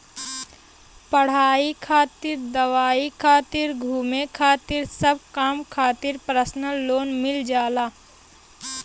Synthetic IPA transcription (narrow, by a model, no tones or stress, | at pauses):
pəɽ̤aːikʰaːt̪ɪɾd̪ɐʋaːikʰaːt̪ɪɾɡʱuːmẽkʰaːt̪ɪɾsəb̚kaːmkʰaːt̪ɪɾpɾəsnəloːnmɪld͡ʒaːlaː